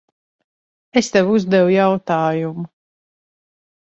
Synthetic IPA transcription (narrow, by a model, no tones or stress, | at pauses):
est̪ɛvuzd̪ɛwujawt̪aːjumu